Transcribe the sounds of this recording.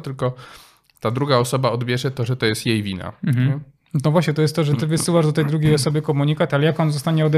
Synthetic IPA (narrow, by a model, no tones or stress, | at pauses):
t̪ɘlkɔ | t̪ad̪ɾuɡaɔsɔbaɔd̪bʲjɛʐɛt̪ɔʐɛt̪ɔjɛst̪jejvʲina̰m̩ɦ̩ɛ | t̪ɔvwaɕɲɛt̪ɔjɛst̪t̪ːɔʐɛt̪ɘvɘsɘwaʐd̪ɔt̪ɛjd̪ɾuɡʲejɔsɔbɘkɔmuɲikat̪alɛjakɔnzɔst̪aɲɛɔd̪ɛ